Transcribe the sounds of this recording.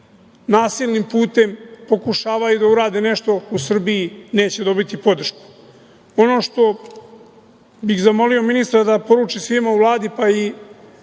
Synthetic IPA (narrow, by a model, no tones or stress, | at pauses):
naːsilnimpuːt̪e̞mpo̞kuʃaːʋajud̪auɾaːd̪ine̞ʃt̪o̞usr̩biine̞ːt͡ɕe̞d̪o̞bit̪ipo̞d̪r̩ʃku̥ | o̞no̞ːʃt̪o̞ | biɣzamo̞lio̞minist̪ɾad̪apo̞ɾuːt͡ʃisʋimauʋlˠaːd̪ipai